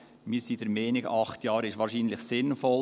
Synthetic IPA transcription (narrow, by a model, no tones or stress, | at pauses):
miːɾsiːd̥ɛɾmeːnɪɡɑχtʰjɑːɾɪʃʋɑːɾʃiːnlɪχsɪnfɔl